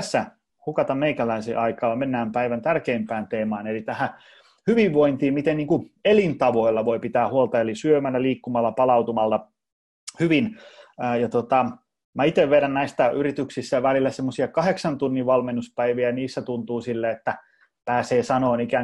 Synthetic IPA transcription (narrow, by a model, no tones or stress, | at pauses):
sːæ | hukɑt̪ɑmmeikælæisḛːʔɑikɑːɑmenːæːmpæiʋænt̪ærkeimpæːnt̪eːmɑːnelit̪æhæ | hyʋiʋʋoint̪iːmit̪enniːŋkuelint̪ɑʋoilːɑʋoipit̪æːhuolt̪ɑelisyømælːæliːkːumɑlːɑpɑlɑut̪umɑlt̪ɑ | hyʋinːjɑt̪ot̪ɑ | mæit̪eʋʋeɾænnæist̪æyrit̪yksist̪ːæʋælilːæsemːosiɑkɑheksɑnt̪unːiʋʋɑlmenːuspæiʋiæniːsːæt̪unt̪uːsilːeet̪ːæ | pæːseːsɑnoːnikæn